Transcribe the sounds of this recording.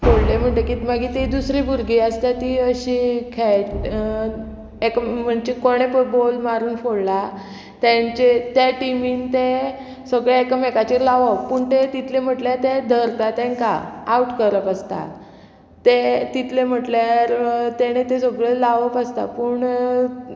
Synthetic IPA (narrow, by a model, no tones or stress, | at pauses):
foɽlem̤əɳʈekimaɡit̪id̪usɾibʱuɾɡiəst̪at̪iəɕikʰɛʈ | ekəm̤əɳd͡ʑekoɽ̃efuʈ̚bolmaɾuːnfoɽla | t̪ãɲt͡ɕet̪jaʈimiːnt̪e | səɡɭaekəmekat͡ɕiɾlaʋəpuːɳt̪et̪it̪ʰlem̤əʈljaɾt̪ed̪ʱəɾkat̪ɛ̃ŋka̰auʈkəɾəpast̪a̰ | t̪et̪it̪lem̤əʈlaɾt̪eɽ̃et̪esəɡɭelaʋəpəst̪a̰puːɳ